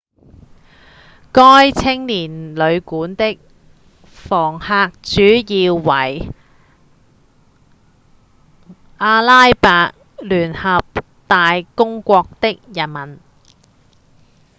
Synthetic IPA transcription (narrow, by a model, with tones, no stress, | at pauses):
kɔː˥jt͡sʰɪ˥ŋliː˨˩nlɵ˨˧ɥkuː˨˥nt̪ɪ˥k̚ | fɔː˨˩ŋhaː˧k̚t͡ʃyː˨˥jiː˧wwɐ˨˩j | ʔaː˧laː˥jpaː˧k̚ | lyː˨˩nhɐ˨p̚ | t̪aː˨jkʊ˥ŋkʷɔː˧k̚t̪ɪ˥k̚jɐ˨˩nmɐ˨˩n